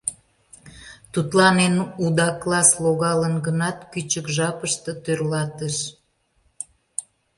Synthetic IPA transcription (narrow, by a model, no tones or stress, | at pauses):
t̪ut̪lɑnenud̪ɑklɑsloɣɑlənɡənɑt̪kyt͡ɕəkʒɑpəʃt̪ət̪ørlɑt̪əʃ